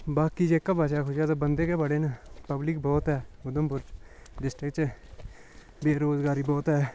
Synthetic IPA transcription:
baːkid͡ʒeːkːabat͡ʃaːkʰʊʃaːt̪obənd̪eːkebəɽeːnapəblɪk̚bɔːt̪ɦɛːʊd̪əmpʊɾɖɪsʈɾɪkt͡ʃ | beːɾoːzɡaːɾibɔːt̪ɦɛː

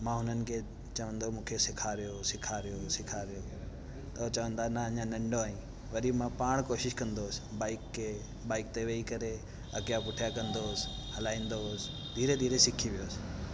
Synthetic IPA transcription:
mãːɦʊn̤ənɪ̆kʰe | t͡ɕɐʋə̃nd̪omũːkʰesɪkʰaɾijosɪkʰaɾijosɪkʰaɾijoː | t̪ɐot͡ɕɐʋə̃nd̪anɐɐɲãnɐ̃ɳɖoaːĩ | ʋɐɾimãpaːɽ̃koːʃɪʃkɐ̃nd̪oːsbaːɪkːe | baːɪk̚t̪eʋeikɐɾe | ɐkijapʊʈʰijakɐ̃nd̪oːsɪ̥ɦɐlaːĩːnd̪osɪ̥ | d̪ʱiːɾed̪ʱiːɾesɪkʰiʋijoːsɪ̥

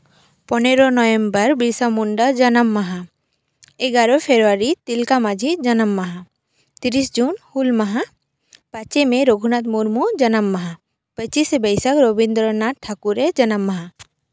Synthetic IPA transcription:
pɔneɾɔnɔjembəɾbisamuɳɖad͡ʒənamːaɦa | ɛɡaɾɔpʰeɾuaɾit̪ilkamad͡ʒʱid͡ʒanamːaɦa | t̪iɾisd͡ʒunhulmaɦa | pat͡ʃemeɾoɡʱunat̪muɾmud͡ʒənamːaɦa | pət͡ʃisbəjsakɾobind̪ɾɔnaʈʰːakuɾed͡ʒanamːaɦa

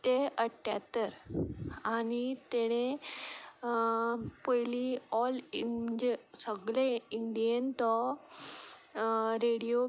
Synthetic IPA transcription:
t̪eəʈʰːja̰t̪əɾ | aɽ̃it̪eɽ̃ẽ | pəjliɔlim̤əɲd͡ʑesəɡleiɳɖijənt̪ɔ | ɾeɽijo

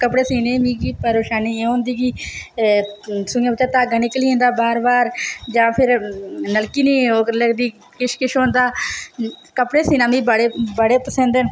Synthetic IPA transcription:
kəpɽeːsiːneːmĩːkiːpəɾoːʃaːniːeõːnd̪iːɡiː | sʊãːbɪt͡ʃːaːt̪aːɡənɪkliːẽːnd̪aːbaːɾbaːɾd͡ʒãːpʰɪɾnəlkiːnĩːoːkɾləɡd̪iː | kɪʃkɪʃõːnd̪aː | kəpɽeːsiːnãːmĩːbəɽeːbəɽeːpəsə̃nd̪en

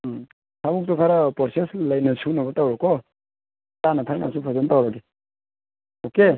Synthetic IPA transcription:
sʰamuk̚tɔkʰaɾapɔɾseslajnasunabɔtawɾɔkɔ | tanatʰaɾna̰supʰɔzɔntawɾaɡi | oke

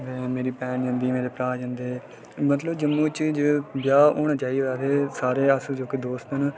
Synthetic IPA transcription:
ʋɛ̃ːmeːɾiːpɛːnd͡ʒə̃nd̪iːmeːɾeːpɾaːd͡ʒə̃nd̪eː | mət̪ləbd͡ʒəmːũːt͡ʃd͡ʒebjaːoːɳd͡ʒaːiːʋaːt̪eːsaːɾeːəsuːd͡ʒoːked̪oːst̪ən

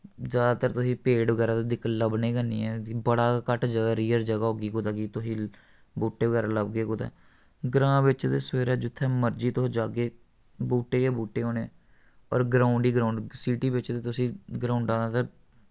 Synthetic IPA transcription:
d͡ʒjaːd̪aːt̪əɾt̪ʊsĩːpeːɖʋəɡɛːɾaːt̪ːd̪ɪkləbneːkəniːɛːbəɽaːkəʈd͡ʒəɡaːɾiːəɾd͡ʒəɡaːɦoːɡiːkod̪aːkiːt̪ʊsĩː | buːʈːeːʋəɡɛːɾaːləbɡeːkoːt̪ɛ̰ː | ɡɾãːʋɪt͡ʃd̪eːseːɾaːd͡ʒʊt̪ʰːɛːməɾd͡ʒiːt̪ʊd͡ʒaːɡeː | buːʈːeːkeːbuːʈːeːɦoːneɛ̰ː | ɔ̰ːɾɡɾaːʊɳɖiːɡɾaːʊɳɖsiːʈiːbɪt͡ʃd̪eːt̪ʊsĩːɡɾaːʊɳɖãːd̪aːt̪aː

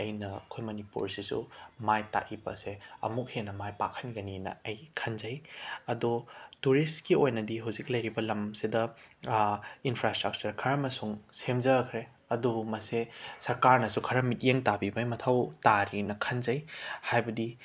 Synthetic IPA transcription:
ɐjnɐkʰojmɐnipṵɾsisṵmajta̰ʔibɐ̰seɐ̰muk̚henɐmajpakʰɐnɡɐninɐ̰ɐjkʰɐnzɐjɐdutuɾistkiojnɐdiɦawziklɐjɾibɐlɐmsidɐ | inpʰɾastɾɐk̚t͡ʃɐɾkʰɐɾɐmɐsuŋsemzɐkʰɾe | ɐdumɐsesɐɾkaɾnɐsukʰɐɾɐmit̚jeŋtabibɐjmɐtʰɐwtaɾinɐkʰɐnzɐjhajbɐdi

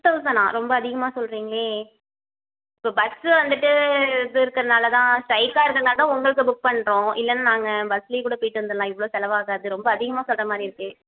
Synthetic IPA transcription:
ʈːɐʋɯsɐnã̰ːɾɔmbɐːðɪɣɐmaːsɔlɾiːŋɡɐɭeː | ɪpːoːbɐsɯʋɐnd̪ɯʈːɯðɯɪɾɯkːɐɾɐnaːlɐt̪ãːʂɐɪkːaːɪɾɯkːɾɐnaːʈ̪ːãːʊŋɡɐɭɯk̬ːɯbʊk̚pɐɳːɾõːɪlːɐnːaːnaːŋɡɐbɐsliːkuːɽɐpoːjɪʈːɯʋɐnd̪ɐlãːɪʋːɐɭoːsɛlɐʋaːɣaːɐðɯɾɔmbɐːðɪɣɐmaːsɔlrɐmaːd̪ɾiɪɾɯkːɯ

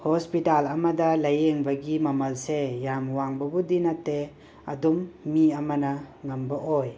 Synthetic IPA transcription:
hospitalɐmɐdɐlɐjeŋbɐɡimɐmɐlsejamwaŋbɐbudinatːe | ɐ̰dumːiɐmɐnɐŋɐmbɐʔoj

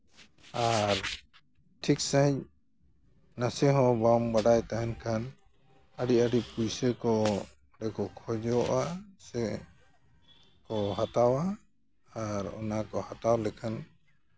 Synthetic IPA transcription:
aɾ | ʈʰiksaɦic̚ | nasɛɦɔ̃bambaɖajt̪aɦɛnkʰan | aɖiaɖipujsəkɔ | ɖɛkɔkʰɔd͡ʒɔʔasɛ | kɔɦat̪awaː | ɾɔ̰nakɔhat̪awlɛkʰan

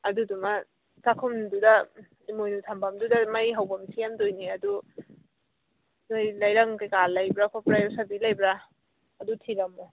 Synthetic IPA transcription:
ɐdudumɐ | takʰumdudɐ | imojnutʰambamdudɐmɐjɦawbɐmsijamdojniɐdu | nojlajɾaŋkajkalɐjbɾakʰapɾajosabilajbɾaː | dutʰiɾɐmo

